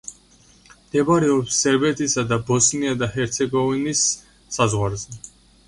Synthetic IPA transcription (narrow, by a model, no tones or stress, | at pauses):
d̪̥ɛbaɾɛɔpsːɛɾbɛt̪ʰisad̪abɔsniad̪ahɛɾt̪sʰɛɡɔvinisː | azʁwaɾzɛ